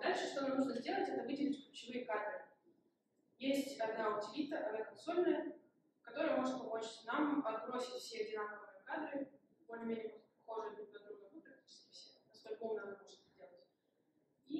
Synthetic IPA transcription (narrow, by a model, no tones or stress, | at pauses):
d̪alʲʂɨʂt̪onamnuʐnəzʲdʲe̞lˠətʲɛt̪əvɨdʲɪlʲɪtʲklʲʊt͡ɕɪvɨjəkad̪ɾɨ | jesʲtʲʊ̥tʲɪbʲaɐd̪naʊtʲɪvʲit̪əʔɐd̪nʲakɐnso̞lʲnəjə | kɐt̪o̞ɾəjəmo̞ʐɨt̪̚pɐmot͡ɕɪ̥tʲnampɐzbɾo̞sʲɪtʲfsʲedʲɪnanəvjkad̪ɾɨ | pomnʲɪmʲenʲɪjəmoʐt̪̚pɐxoʐɨəd̪ub̪̚ʲɐɡ̪ɾunəvɨp̪ɾət̪ʲi̥t͡ɕsʲkʲɪfsʲenɐst̪olʲkomnəɐnanuʐɨnzʲdʲe̞lˠətʲ | i